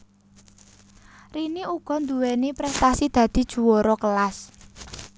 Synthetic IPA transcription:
riniuɡ̥ɔ̤nd̪uwɛnipɾɛst̪asid̪̥ä̤d̪̥i̤d̥ʒ̥ṳwɔɾɔkəlas

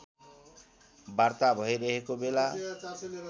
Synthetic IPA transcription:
bart̪abʱʌjɾʌɦekobela

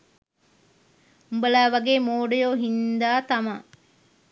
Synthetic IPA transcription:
umbəlaːʋaɡeːmoːɖəjoːɦind̪aːt̪amɐ

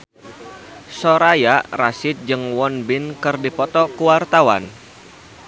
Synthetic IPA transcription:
sɔɾajarasɪt̪̚d͡ʒɨŋwɔnbɪnkɨrdipɔt̪ɔkuwart̪awa̰n

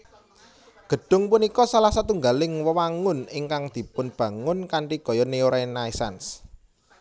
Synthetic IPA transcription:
ɡ̥ə̤ɖ̥ʊ̤ŋpunikɔsalahsat̪uŋɡalɪŋwəwaŋʊnɪŋkaŋd̪̥i̤pʊnb̥ä̤ŋʊnkaɳʈiɡ̥ɔ̤jɔneoɾanaisans

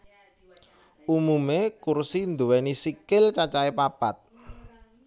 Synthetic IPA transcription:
umumekursind̪uwɛnisikɪlt͡ʃat͡ʃaepapat̪̚

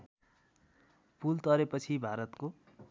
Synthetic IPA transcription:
pult̪ʌɾepʌt͡sʰibʱaɾʌt̪ko

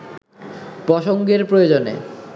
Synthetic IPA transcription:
pɾɔʃoŋɡeɾpɾojod͡ʑonḛ

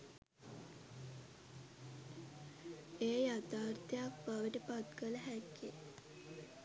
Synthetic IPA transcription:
ejat̪aːrt̪ʰəjak̚baʋəʈəpat̪kələɦækːe

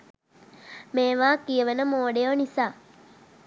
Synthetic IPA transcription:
meːʋaːkijəʋenəmoːɖejonisaː

